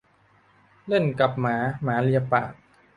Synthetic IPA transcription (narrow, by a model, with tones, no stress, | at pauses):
le˥˩nka˨˩p̚maː˩˦maː˩˦li˧ja˧pa̰ː˨˩t̪̚